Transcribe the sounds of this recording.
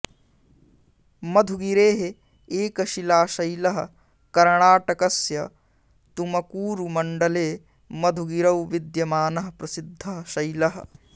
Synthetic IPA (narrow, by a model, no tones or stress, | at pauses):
mɐd̪ʱuɡiɾeːɦe | eːkɐʃilaːʃɐjlɐɦɐ̆ | kɐɾɳaːʈɐkɐsjɐ | t̪umɐkuːɾumɐɳɖɐleː | mɐd̪ʱuɡiɾɐwʋid̪jɐmaːnɐɦɐpɾɐsid̪ʱːɐɦɐʃɐjlɐɦɐ̆